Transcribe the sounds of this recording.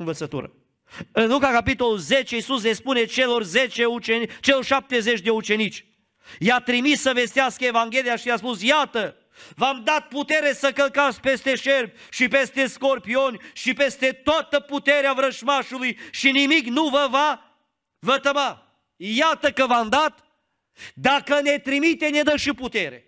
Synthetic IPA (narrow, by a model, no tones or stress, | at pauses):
ɨnvət̪sət̪ṵɾə̰ | ɨnlukakapit̪o̞luze̞t͡ʃe̞isus̬le̞spune̞t͡ʃelo̞rzet͡ʃe̞ut͡ʃet͡ʃe̞lorʃap̚t̪e̞ze̞t͡ʃʲd̪e̞ut͡ʃe̞nit͡ʃʲ | jat̪ɾimisːəve̞st̪easkəevaŋɡʲe̞lijaʃijaspusjat̪ə | vamd̪at̪̚put̪e̞ɾe̞səkəlkat̪sʲpe̞st̪e̞ʃe̞rbʲʃipest̪e̞sko̞rpio̞nʲʃipe̞st̪e̞t̪oat̪əput̪eɾeavɾəʃmaʃulujʃinimiknuvəva | vət̪əma | jat̪əkəvamd̪at̪ | d̪akəne̞t̪ɾimit̪ened̪əʃiput̪e̞ɾe̞̰